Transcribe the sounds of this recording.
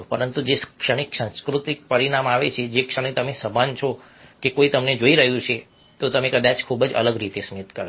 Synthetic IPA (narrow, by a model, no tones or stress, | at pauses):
pəɾənt̪ud͡ʒeskʃəɽ̃ikʃə̃nskɾut̪ik̚pəɾiɽ̃amaʋet͡ʃʰed͡ʒekʃəɽ̃it̪əmesəbʱant͡ʃʰo | kekoit̪əmned͡ʒoiɾəɦjũt͡ʃʰe | t̪ot̪əmekəd̪at͡ʃkʰubəd͡ʒə̰ləɡɾit̪esmit̪kəɾ